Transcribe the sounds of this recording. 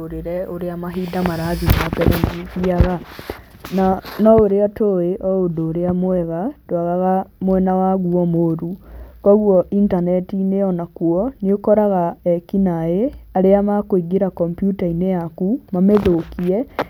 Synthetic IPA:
oɾeɾɛoɾeamaɦiːdamaɾaðimapɛɾɛndiiaɣa | nanɔoɾeatoeʔɔodoːɾeamoɛɣad̥oaɣaɣamwɛnawaɣuɔmoɾukɔɣwɔʔintanɛtineɔnakuɔniokɔɾaɣaɛkinaeaɾeamakoiɡeɾakɔmpjutaineakumameðokiɛ

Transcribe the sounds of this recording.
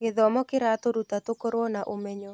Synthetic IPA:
ɡɪðɔmɔkɪɾat̪oɾut̪at̪okoɾwɔnaʔomeɲo

